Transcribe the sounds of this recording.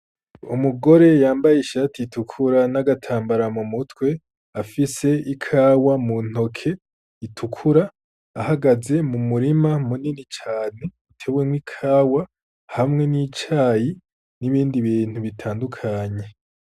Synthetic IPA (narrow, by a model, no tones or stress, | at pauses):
umuɡo̞ɾe̞jaːmbajeiʃatʰiitukʰuɾanaɡatʰaːmbaɾamumutwe̞ | afise̞ikʰaːwamun̥o̞kʰe̞ | itʰukʰuɾaː | haɡaze̞mumuɾimamuninit͡ʃaːne̞utʰe̞βwemwikʰaːwa | hamŋe̞niːt͡ʃaːji | niβiːndiβiːn̥huβitʰaːndukʰaɲe̞